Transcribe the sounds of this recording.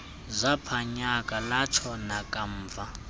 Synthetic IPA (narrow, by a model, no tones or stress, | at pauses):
zʷapʰaɲakʼalat͡ʃʰɔnakʼam̩ːva